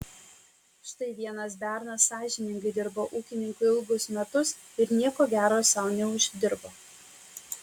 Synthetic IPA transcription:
ʃt̪ɐɪʋʲiɛnɐs̬bʲæˑɾnɐsːɑːʒʲɪnʲɪŋɡɐɪd̪ʲɪɾboːʔuːkʲɪnʲɪŋkʊɪɪlˠɡʊsmʲɛt̪ʊs | ɪɾnʲiɛkoːɡʲæːɾoːsʲɛʊnʲɛʊʒʲd̪ʲɪɾboː

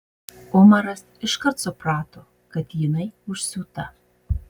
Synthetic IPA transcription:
ʊmɐɾɐs | ɪʃkɐɾt̪sʊpɾɑːt̪oː | kɐt̪jɪnɐɪʊʃʲsʲuːt̪ɐ

